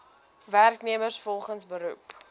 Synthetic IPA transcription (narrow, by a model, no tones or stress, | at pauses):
værkniəmərsfɔlˠχənsbəɾup